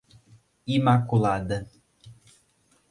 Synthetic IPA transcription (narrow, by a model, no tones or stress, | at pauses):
imakulˠad̪ə